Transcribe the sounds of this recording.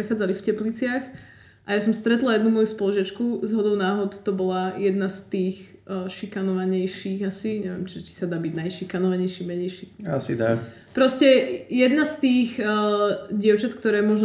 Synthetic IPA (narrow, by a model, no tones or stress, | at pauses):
ɾɛxaːd͡zalifcɛplit͡sɪax | ʔajasɔmst̪ɾɛt̪lˠajɛd̪numɔjuspɔlɔʒɪat͡ʃkuzɦɔd̪ɔʊnaːɦɔt̪t̪ɔbɔlajɛd̪nast̪iːx | ʃikanɔʋaɲɛjʃiːɣasiɲɛʋɪɛmt͡ʃɛʒɛci̥sad̪aːbiɟnajʃikanɔʋaɲɛjʃiːmɛɲɛjʃiːasḭd̪a | pɾɔscɛjɛd̪nast̪iːx | ɟɪɛʊt͡ʃat̪kt̪ɔɾɛːmɔʒn